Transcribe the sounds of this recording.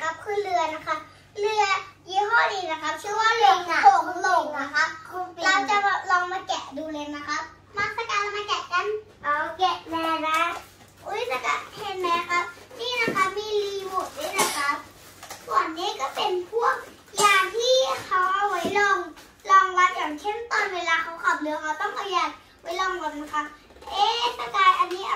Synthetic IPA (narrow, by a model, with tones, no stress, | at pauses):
ka˦˥p̚kʰɯː˧˨lɯ˧ɐna˧kʰa˦˧˥p̚ | lɯ˧ɐjuː˧˦ɦɔː˧˩diː˨˩na˧kʰa˦˥p̚kʰɯː˧˦waː˧˨lo˧˨ŋna˧˩o˧˩lo˧˩ŋna˧˩kʰa˦˥p̚kʰo˧˨laː˧t͡ɕa˧ba˧˩lɔː˧ŋmaː˧kɛ˨˩ʔduː˧˦le˧nna˧˩kʰa˦˥p̚ | ma˧˥k̚pʰa˧kaː˨˩a˧maː˧kɛ˨˩ʔka˧˥˨n | ʔaː˨˩kɛ˧˩ʔmɛː˧na˧˥ | ʔo˧˦˥jma˧˩nka̰˧˩hʰe˧t̪̚mɛ˧˦˧kʰa˦˥p̚niː˥˩˨na˧kʰa˦˥p̚miː˧˨liː˧woː˧˨˩k̚doː˧˥˨na˧˩kʰa˦˥p̚ | sɔ˨˩ənːiː˦˥˨ka˧˩pe˨npʰu˥˩ək̚ | jaː˨˩ŋt̪ʰiː˥˩kʰa˨˦˥wʔa˧wwa˨˦jlɔː˧ŋ | lɔː˧ŋla˦˥t̪̚jaː˨˩ŋt͡ɕʰe˧˥˩mt̪ɔː˧nweː˧laː˧kʰa˨˥wkʰa˨˩p̚lɯ˧˦kʰa˧˥wt̪ɔ˥˩ŋʔa˧˩jaː˨˩k̚ | wa˨˦jlɔː˧ŋla˧˩na˧˩kʰa˦˥p̚ | ʔeː˧˥˨pa˧kaː˨˩t̪̚ʔa˧nːiː˦˥ʔa˧